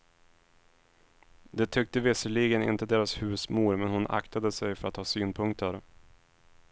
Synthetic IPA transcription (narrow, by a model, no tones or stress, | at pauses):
d̪ɛt̪ʰʏk̚t̪əvɪsəɭiːɡənɪ̰nt̪əd̪eːɾashʉ̟ːsmuːɾmɛnhʊnʔa̰kt̪ʰad̪əsɛjfœɾat̪hɑːsyːnpʰɵŋkt̪ʰəɾ